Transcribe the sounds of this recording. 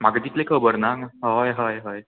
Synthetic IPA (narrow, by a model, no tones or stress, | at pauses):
maɡd̪it̪lekʰəbəɾnaɦajɦajɦaj